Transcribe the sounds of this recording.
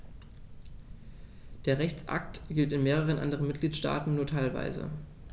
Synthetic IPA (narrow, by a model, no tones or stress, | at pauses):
d̥eːɐʁɛçt͡sʔa̰k̚tɡ̥ɪltɪnmeːʁ̞əʁ̞ənʔa̰ndəʁənmɪt̚ɡ̥liːtʃta̰ːtn̩nuːɐtʰaɪlva̰ɪzə̰